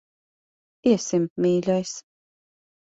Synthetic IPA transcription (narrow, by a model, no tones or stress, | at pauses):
iɛsɪmmiːlʲɔjs